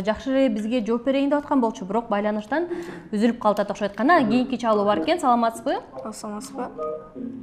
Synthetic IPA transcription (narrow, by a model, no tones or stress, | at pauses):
d͡ʒɑχʃɯleebizɡe̞d͡ʒo̞ːp̚be̞ɾe̞ind̪e̞wɑt̪̚qɑnbo̞lˠt͡ʃʰubyɾo̞q̚bɑjlˠɑnɯʃt̪ɑnyzylyp̚qʰɑlˠɑt̪ɑt̪ʰoʃojt̪̚qɑnɑɡʲijiŋkʲit͡ʃʰɑlˠuːbɑɾe̞ke̞nsɑlˠɑmɑt̪ə̥zbɯosmɑt̪b